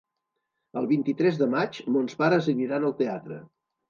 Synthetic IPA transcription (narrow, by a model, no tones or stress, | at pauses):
əlˠβint̪it̪ɾɛzðəmat͡ʃmonspaɾəzəniɾanəlˠt̪eat̪ɾə̰